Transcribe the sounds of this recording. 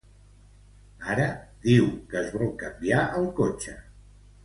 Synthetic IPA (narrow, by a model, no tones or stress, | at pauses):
aɾəd̪iwkəːzβɔlˠkəmbiaʔəlˠkot͡ʃə